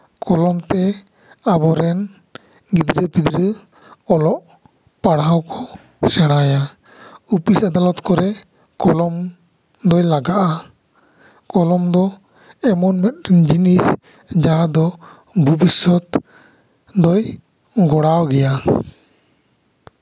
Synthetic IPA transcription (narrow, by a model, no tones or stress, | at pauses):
kɔlɔmt̪ɛ | abɔɾɛn | ɡid̪ɾəpid̪ɾə | ɔlɔʔ | paɽawkɔ | sɛɽ̃aja | upisad̪alɔt̪kɔɾɛ | kɔlɔm | d̪ɔjlaɡaʔa | kɔlɔmd̪ɔ | ɛmɔnmɛt̪̚ɾɛnd͡ʒinis | d͡ʒaɦad̪ɔ | bʱubisɔt̪ | d̪ɔj | ɡɔɽawɡɛja